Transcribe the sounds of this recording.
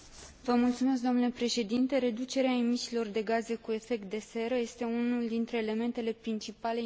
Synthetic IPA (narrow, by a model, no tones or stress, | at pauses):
vəmult̪sumes̬kd̪o̞nule̞pɾe̞ʃe̞d̪int̪e̞ɾe̞d̪ut͡ʃe̞ɾeaemisilo̞rd̪e̞ɡaze̞kue̞fe̞k̚t̪̚d̪e̞se̞ɾəje̞st̪e̞unuld̪int̪ɾe̞ːle̞me̞nt̪e̞le̞pɾint͡ʃipale